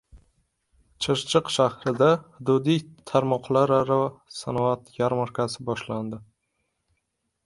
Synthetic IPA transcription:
t͡ʃʰɨʃt͡ʃʰɨqʃahɾɪd̪ahʊd̪ʊd̪ijt̪ʰaɾmɒqʰlˠaɾɾasanɒat̪jaɾmaɾkʲʰasɪbɒʃland̪ɪ

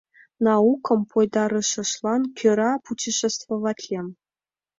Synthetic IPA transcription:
nɑukɤ̆mpojd̪ɑɾɤ̆ʃɤ̆ʃlˠɑnkʲøɾɑput͡ɕiʃĕst̪vŏvɑtʲlʲem

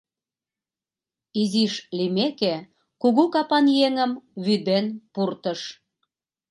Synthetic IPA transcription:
iziʃlimeke | kuɣukɑpɑnjeŋəmβyd̪enpurt̪əʃ

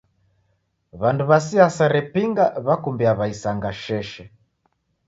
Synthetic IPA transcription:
βanduβasiasaɾɛpiŋɡaβakumbiaβaisaŋɡaʃɛʃɛ

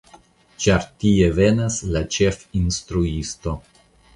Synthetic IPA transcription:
t͡ʃaɾtie̞ve̞naslat͡ʃe̞finstɾuisto̞

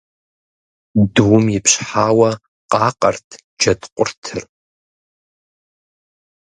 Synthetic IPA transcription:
duwmjɪpʰɕħaːwɐ | qʼɑːqʼɐ̰rtʰ | d͡ʒɐdqʷʼʊrtʰɨr

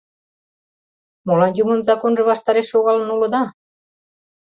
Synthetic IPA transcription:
molɑnjumənzɑkonʒəβɑʃt̪ɑɾeʃːoɣɑlə̆nulə̆d̪ɑ

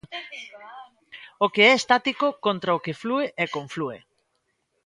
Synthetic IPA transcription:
okeɛest̪at̪ikokõnt̪ɾɐokeflueʔɛkõɱfluḛ

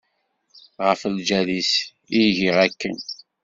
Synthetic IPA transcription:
ʁəfld͡ʒælis | iʝiʁækːən

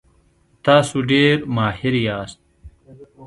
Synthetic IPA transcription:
t̪aːsuɖeːɾmaːhiɾjaːst̪̚

